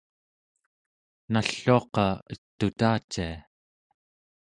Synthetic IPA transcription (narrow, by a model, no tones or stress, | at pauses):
naɬːuɑqɑət̪ːut̪aːt͡ʃːia